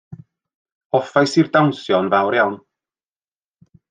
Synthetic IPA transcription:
ɔfajsirdawnsjɔnvawɾjawn

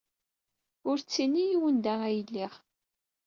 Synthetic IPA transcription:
ʊɾt͡sːinːijiwənd̪æʁæjəlːiʁ

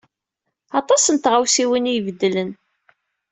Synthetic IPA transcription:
ɑt̪ˤɑsənt̪ʁawsiwinijvəd̪ːlən

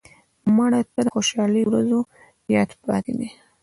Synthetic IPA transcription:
maɽat̪ad̪əxoʃɑləjowɾazo | jɑt̪pɑt̪id̪i

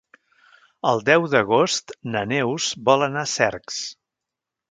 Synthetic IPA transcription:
əlˠd̪ɛwðəɣost̪nənɛwzbɔlənasɛɾks

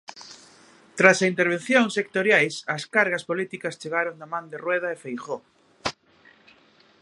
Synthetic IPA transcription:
t̪ɾasɐint̪eɾβ̞ẽnθjoŋsekt̪oɾjajsɐskaɾɣɐspolit̪ikɐst͡ʃeɣaɾoŋd̪amãnd̪erweð̞aefejxo

